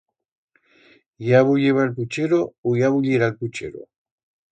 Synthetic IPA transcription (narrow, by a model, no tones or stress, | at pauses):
jaβuʎeβalput͡ʃeɾoojaβuʎiɾalput͡ʃḛɾo̰